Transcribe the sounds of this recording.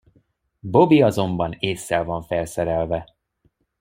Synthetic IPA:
bo̞biɒzo̞mbɒneːsːɛlvɒɱfɛlsɛɾɛlvɛ

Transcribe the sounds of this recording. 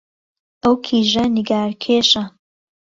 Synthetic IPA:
ʔɐwkʰiːʒɐniɡaːɾkʰeːʃɐ

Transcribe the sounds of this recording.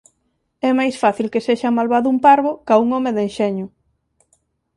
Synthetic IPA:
ɛmajsfaθilkeseʃamalβaðʊumpaɾβokauŋɔmeðenʃɛɲʊ

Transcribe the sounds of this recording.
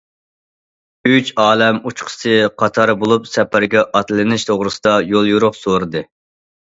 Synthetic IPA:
yt͡ʃɑːlɛmut͡ʃqʰə̥sɨqʰɑt̪ʰɑɾbolˠupsɛpʰæɾɡʲɛʔɑt̪lɨnɪʃt̪ʰoʁɾɨsɨd̪ɑjolˠjuɾʊχsoɾɨd̪ɨ

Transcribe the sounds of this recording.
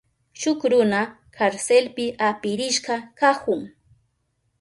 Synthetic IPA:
ʃʊkɾʊna | kʰaɾselpɪʔapɪɾɪʃɢɑkakʊŋ

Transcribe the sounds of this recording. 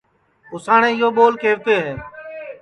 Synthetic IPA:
ʊsaːɳẽːɪɦoːɓoːlkeːʋt̪eːɦeː

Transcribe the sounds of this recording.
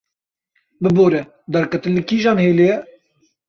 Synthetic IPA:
bɨboːɾɛ | d̪ɛɾkɛt̪ɨnlɨkiːʒɑːnheːlejɛ

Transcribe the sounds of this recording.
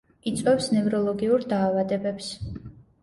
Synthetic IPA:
it̪sʼwɛfsnɛvɾɔlˠɔɡiuɾd̪aːvad̪ɛbɛps

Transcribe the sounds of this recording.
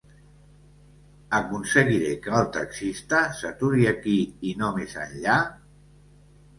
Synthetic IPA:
əkunsəɣiɾekəːlˠt̪əksist̪əsət̪uɾiəkiinomezə̰nʎa

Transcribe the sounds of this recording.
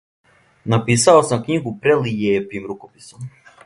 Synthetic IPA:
napisaosamkɲiɡupɾelijeːpimɾukopisom

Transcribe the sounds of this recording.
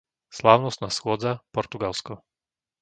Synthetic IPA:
slaːʊnɔst̪naːsxʊɔd͡zapɔɾt̪uɡalskɔ

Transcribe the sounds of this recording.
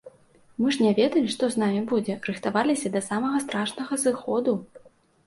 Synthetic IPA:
mɨʐnʲɛvʲɛd̪ɐlʲiʂt̪ɔzn̪amʲibud͡zʲɛrɨxt̪avalʲisʲɐd̪ɐsamɐɣɐst̪ɾaʂnɐɣɐzɨxɔd̪u

